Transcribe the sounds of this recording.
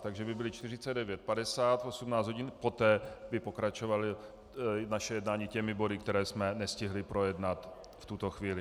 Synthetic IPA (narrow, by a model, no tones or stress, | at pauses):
t̪aɡʒɛbɪbɪlɪt͡ʃt̪ɪr̝ɪt͡sɛd̪dɛvjɛt̪̚padɛsaːt̪o̞sumnaːt͡szɦoɟɪnpo̞t̪ɛːbɪpo̞kɾat͡ʃovalɪ | naʃɛjɛdnaːɲicɛmɪbo̞dɪkt̪ɛɾɛːsmɛnɛscɪɦlɪpɾo̞jɛdnat̪ | ft̪ut̪oxviːlɪ